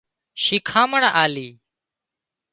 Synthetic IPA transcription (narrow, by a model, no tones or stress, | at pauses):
ʃɪkʰãːməɳʔaːliː